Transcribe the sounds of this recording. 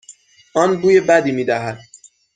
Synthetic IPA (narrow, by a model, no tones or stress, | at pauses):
ʔɒːnbuːjebæd̪iːmiːd̪æɦæd̪̥̚